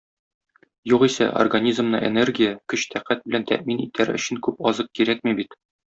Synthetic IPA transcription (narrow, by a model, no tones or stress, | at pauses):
juqisæ̰ʔo̰rɡanʲizmnɤʔḛnerɡʲijəkɵɕt̪ʰæqæt̪̚bɘ̆lænt̪æ̰ʔminḭt̪ʰæɾɵ̰̆ɕɘ̆ŋkʉpɒzɤq̚kiɾæk̚mibit̪